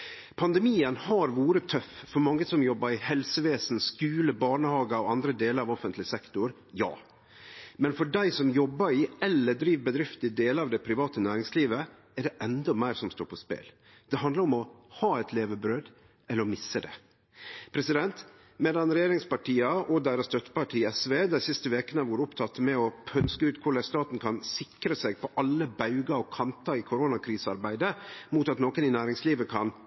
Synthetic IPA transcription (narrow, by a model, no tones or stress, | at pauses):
pʰɑnd̪ɛmiːənhɑɾʋuːɾət̪ʰœffɔɾmɑŋːəsɔmjɔbːəɾɪhɛlsəʋeːsn̩skʉːləbɑːɳəhɑːɡəɔɑnd̪ɾəd̪eːləɾɑʋɔfənt̪lɪsɛkt̪ʊɾ | jɑ̰ː | mɛnfɔɖæɪsɔmjɔbːəɾɪɛlːəd̪ɾiːʋbəd̪ɾɪft̪ɪd̪eːləɾɑːʋd̪æpʰɾɪʋɑːt̪ənæːɾɪŋsliːʋə | ɛɖɛʔɛnd̪ɔmæɪɾsɔmst̪o̰ːɾpʰɔspḛːl | d̪̥ɛɦɑnd̪ləɾɔmɔhɑːɛt̪leːʋəbɾøːd̪ | ɛlːəɾɔmɪsːəd̪ɛ̰ | pʰɾɛsɪd̪ɛnt̪ | meːd̪ɑnɾɛjeːɾɪŋspɑʈiːɑɔd̪æɪɾɑsd̪œt̪ːə̥pɑʈʰiːɛsʋeːd̪æɪsɪst̪əʋeːkənəʋuːɾəʊpt̪ʰɑt̪ːəmɛɔpʰœnskəʉːt̪kʰʊɖæst̪ɑːt̪n̩kʰɑnsɪkɾəsɛɡ̚pʰɔʔɑlːəbɑʉɡɑɔkʰɑnt̪ʰɑɪkʰʊɾoːnɑkʰɾiːsɑɾbæɪd̪əmuːt̪ɑt̪noːkənɪnæːɾɪŋsliːʋəkʰɑn